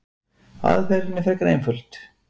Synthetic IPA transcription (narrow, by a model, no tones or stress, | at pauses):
a̰ðfɛɾɪnːɪfɛkaɾḛjnfʏl̥t̪